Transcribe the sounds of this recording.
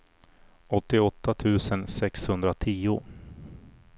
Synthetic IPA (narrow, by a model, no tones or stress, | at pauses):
ɔt̪ːɪɔt̪ʰːat̪ʰʉ̟ːsənsɛkshɵnd̪ɾat̪ʰiːʊ